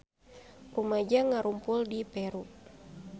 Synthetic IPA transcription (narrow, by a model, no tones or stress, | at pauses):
rumad͡ʒaŋaɾumpʊldipɛɾu